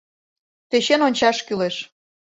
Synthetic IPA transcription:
peɕenonʲt͡ɕɑʃkyleʃ

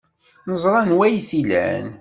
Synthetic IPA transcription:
nəzˤɾˤɑnwæjθilæ̰n

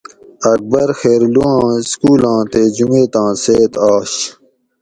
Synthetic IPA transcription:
ɐk̚bɐɾxeːɾluãːskuːlãːt̪eːd͡ʑuŋeːt̪ãːseːt̪aːɕ

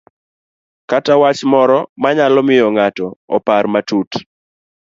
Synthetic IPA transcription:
katawat͡ʃmɔɾɔmaɲalɔmɪjɔŋatɔːparmatut

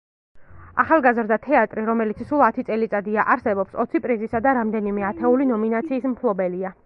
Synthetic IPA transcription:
aχalˠɡazɾd̪at̪ʰɛat̪ʼɾiɾɔmɛlit̪sʰsulˠat̪ʰit̪sʼɛlit̪sʼad̪iaʔaɾsɛbɔpsɔ̰t̪sʰipʼɾizisad̪aɾamd̪ɛnimɛat̪ʰɛulinɔminat̪sʰiːsmpʰlˠɔbɛlia

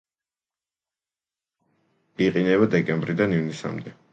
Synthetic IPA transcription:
iqʼinɛβad̪ɛkʼɛmbɾid̪anivnisa̰md̪ɛ

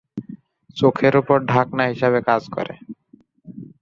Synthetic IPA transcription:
t͡ɕokʰeɾupoɾɖʱaknaɦiʃaβekad͡ʑkɔ̰ɾḛ

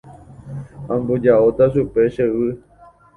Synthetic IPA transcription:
ãmbod͡ʒaot̪aʃupe̞ʃeʋɨ

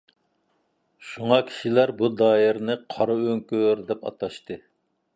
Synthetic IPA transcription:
ʃuŋɑkʲʰi̥ʃilæɾbud̪ɑːjɪɾnɨqʰɑɾɑøŋkʲøɾd̪ɛpɑ̰t̪ɑʃt̪ɨ

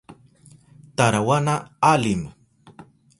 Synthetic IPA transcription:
t̪aɾawanaalɪm

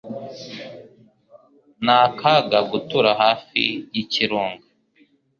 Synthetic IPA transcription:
naːkʰaɡaɡutuɾaɦaːfḭjiciɾuːŋɡa

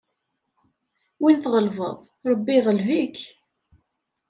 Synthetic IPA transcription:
winθʁəlvə̰ðˤ | ɾˤəbːiʁəlvik

